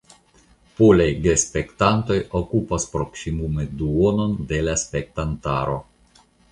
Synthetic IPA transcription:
polajɡespe̞ktanto̞jokupaspɾo̞ksimume̞duono̞nde̞laspe̞k̚tanta̰ɾo̞̰

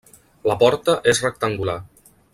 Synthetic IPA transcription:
ləpɔɾt̪əʔesrək̚t̪əŋɡula

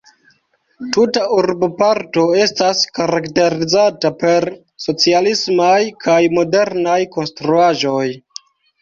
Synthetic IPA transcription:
tutaʔuɾbopaɾto̞e̞staskaɾakte̞ɾizatape̞ɾ | so̞t͡sialismajkʰajmo̞de̞ɾnajko̞nstɾuaʒo̞j

